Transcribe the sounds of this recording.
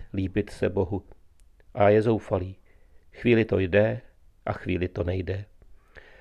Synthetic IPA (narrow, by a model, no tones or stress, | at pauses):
liːbɪt̪sɛbo̞ɦu | ʔajɛzo̞wfaliː | xviːlɪt̪o̞jdɛ | ʔa̰xviːlɪt̪o̞nɛjdɛ